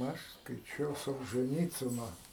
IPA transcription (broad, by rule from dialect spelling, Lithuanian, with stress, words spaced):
ˈɐʃ skɐɪˈt͡ʃʲɛʊ soːlˠʒɜˈnʲiːt͡sʲɪnoː